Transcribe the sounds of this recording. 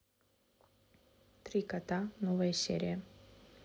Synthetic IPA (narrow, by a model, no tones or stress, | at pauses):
t̪ɾʲikɐt̪anovəjəsʲḛɾʲɪjə